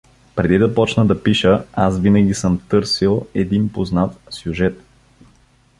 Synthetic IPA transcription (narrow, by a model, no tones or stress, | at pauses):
pɾɛd̪id̪ɐpɔt͡ʃnəd̪ɐpiʃəasvinɐɡʲisɤmt̪ɤɾsilˠɛd̪inpoznat̪sʲjuʒɛt̪